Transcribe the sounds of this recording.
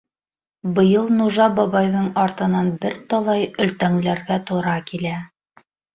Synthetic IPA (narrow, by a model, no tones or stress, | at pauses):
bɤ̆jɤlˠnuʒɑbɑβɑjðɤɴɑɾt̪ɤ̆nɑnbɘɾt̪ɑlˠɑjɵ̆lt̪æŋlæɾɡæt̪ŏɾɑkilæ